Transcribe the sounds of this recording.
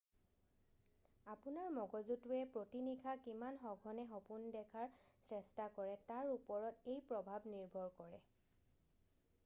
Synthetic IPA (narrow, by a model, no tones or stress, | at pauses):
apunaɹmɔɡɔzutuɛpɹotinikʰakimanxɔɡʱɔnɛxɔpundɛkʰaɹsɹɛstakɔɹɛtaɹupɔɹɔtejpɹɔbʱabniɹbʱɔɹkɔɹɛ